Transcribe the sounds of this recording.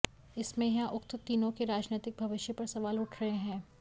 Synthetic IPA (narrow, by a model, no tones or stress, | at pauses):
ɪsmẽjɐɦãʔʊkt̪t̪iːnõkeɾaːd͡ʒnɪːt̪ɪk̚bʱɐʋɪʃjəpɐɾsɐʋaːlʊʈʰɾɐɦẽɦɛ̃ː